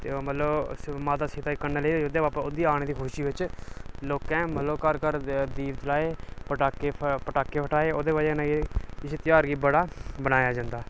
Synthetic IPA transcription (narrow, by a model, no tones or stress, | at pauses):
t̪eːmət̪ləbmaːt̪aːseːt̪aːeːkəɾnaːleiːeːod̪eːʋaːpəʊd̪iːaːɽ̃ẽːd̪iːkʰʊʃiːʋɪt͡ʃloːkɛ̃ːmət̪ləbkəɾkəɾd̪iːʋd͡ʒ̪laːeːpəʈaːkeːpəʈaːkːeːpʰəʈaːeːoːd̪eːbaːd͡ʒnãːɡeɪseːt̪ɪjaːɾɡiːbəɽaːbəñaːjaːd͡ʒãːnd̪aː